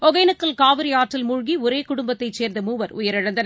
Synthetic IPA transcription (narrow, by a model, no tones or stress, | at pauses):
ɔɣɐjnɯkːɐlkaːʋɐɾiaːʈːɪlmʊɻɣiʊɾeːkʊɽʊmbɐt̪ːɐɪt͡ʃːeːɾnd̪ɯmuːʋɐɾʊjɐɾɪɻɐnd̪ɐn